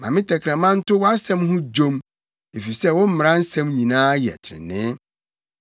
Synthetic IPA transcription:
mã˨mɪ̃˦tʰɛ˨kʰɾã˨mã˦n̩˦tʊ˦wɔ˦a˦sɛ̃˦mɦʊ̃˦d͡ʑõ˦m | e˨fi˨sɛ˦wɔ̃˦m̩˦m˨ɾã˦n̩˦sɛ̃˦mɲĩ˨nãː˦jɛ̰˨tʰɪ˨ɾɪ̰˨nɪ̃˦

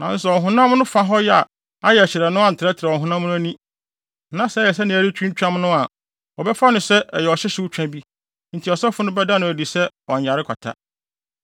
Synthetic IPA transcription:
nã˨n̩˦sɛ˨ɔ˨ɦʊ̃˦nã˦mnʊ̃˦fa˦ɦɔ˦jɛ˦a̰˨ | a˦jɛ˨æ˨ɕɪ˨ɾɛ˨nʊ̃˦a˦n̩˨tʰɪ˨ɾɛ˦tʰɾa˨ɔ˨ɦʊ̃˦nã˦m˦nʊ̃˦æ˦nĩ˦ | nã˨sɛ˨˦jɛ˨s̬ɛ˦nɪ̃˨˦æ˨ɾi˦t͡ɕʰᶣũ˦ɲ˦t͡ɕᶣã˦mnʊ̃˦a˨ | ɔ˨bɛ˦fa˦nʊ̃˨sɛ˦ʔjɛ˨ɔ˨ɕɛ˦ɕɪ˦wu˦t͡ɕᶣã˦bi˦ | n̩˨tʰi˨ɔ˨sɛ˦fʊ˦nʊ̃˦bɛ˦da˦nʊ̃˨æ˨di˨sɛ˦ɔ˨ɲ˨a˨ɾɪ˦kʷʰa̰˨tʰa̰˦

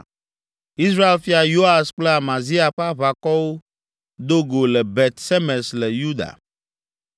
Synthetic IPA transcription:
i˦s̬ɾa˦e˨lfi˦a˨jo˦a˨sk͡ple˦a˨mã˨zi˦a˨ɸa˦βa˨kɔ˦wo˦ | d̪o˦ɡo˨lɛ˨bɛ˨t̪sɛ˦mɛ˨slɛ˨ju˦d̪a̰˨

